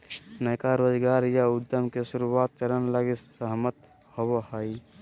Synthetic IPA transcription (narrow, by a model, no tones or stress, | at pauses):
nəjkaɾod͡ʒɡaːɾjaud̪əmkesuɾuwaːt̪̚t͡ʃəɾənlaɡisəɦmət̪ | hobohəj